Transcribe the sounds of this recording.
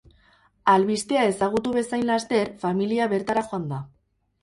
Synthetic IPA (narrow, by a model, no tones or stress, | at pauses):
alβist̪e̞ae̞saɣ̞ut̪uβe̞sajnlast̪e̞ɾfamiliaβe̞ɾt̪aɾaxo̞and̪a